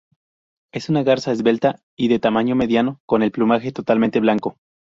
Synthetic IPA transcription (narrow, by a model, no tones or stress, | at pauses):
e̞sunaɣaɾsaezβe̞lt̪a | iðe̞t̪amãɲome̞ðjano̞ko̞ne̞lplumaxe̞t̪o̞t̪alment̪elaŋko̞